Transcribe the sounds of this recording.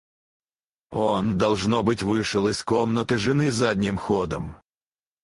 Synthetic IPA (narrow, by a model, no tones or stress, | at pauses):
ond̪ɐlˠʐnobɨtʲvɨʂəlˠɪskɔmnət̪ɨʐɨnɨzadʲnʲɪmxod̪əm